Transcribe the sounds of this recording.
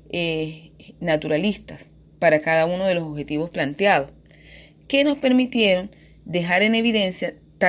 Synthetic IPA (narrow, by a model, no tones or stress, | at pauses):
e | nat̪uɾalist̪as | paɾakaðauno̞ð̞e̞losoβxe̞t̪iβo̞splant̪jað̞o̞s | ke̞no̞spe̞ɾmit̪je̞ɾo̞n | d̪e̞ɦaɾe̞ne̞βiðe̞nsja | t̪a